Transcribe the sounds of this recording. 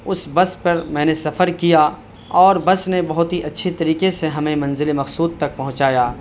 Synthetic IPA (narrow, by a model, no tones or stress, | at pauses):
ʊsbɐspɐɾmɛ̃ːnesɐfəɾkijaː | ɔːɾbɐsnebɐɦʊt̪ɦiʔɐtːʃʰet̪ɐɾiːqeseɦɐmẽmɐ̃nzɪlemɐxsuːd̪̚t̪ɐk̚pɐɦʊ̃t͡ʃaːjaː